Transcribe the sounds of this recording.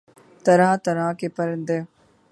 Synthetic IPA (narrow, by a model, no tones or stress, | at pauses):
t̪ɐɾãːt̪ɐɾãːkepɐɾɪ̃nd̪e